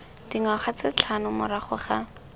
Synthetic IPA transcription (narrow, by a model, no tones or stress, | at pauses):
d̥iŋaχat͡sɪt͡ɬʰanʊmʊ̰ɾaχʊχa